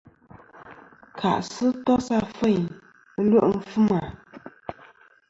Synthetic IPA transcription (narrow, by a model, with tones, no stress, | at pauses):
kʰa̰˨ʔsɨ˦tɔ˦sa˦˨fə˦˨m˦ | lwə˦ʔm̩˦fɨ˦ma˨